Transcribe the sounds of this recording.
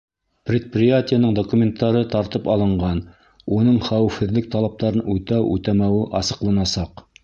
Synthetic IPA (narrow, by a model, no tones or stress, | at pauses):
prʲɪt̪̚prʲɪjatʲɪjənɤɴd̪okumʲɪnt̪ːɑɾɤt̪ɑɾt̪ɤpɑlˠɤ̆ɴɢɑn | unɤɴχæwɘ̆fhɘ̆ðlɘk̚t̪ɑlˠɑp̚t̪ɑɾɤnʉt̪æwʉ̰t̪æmæwɘʔɑsɤ̆qlˠɑnɑsɑq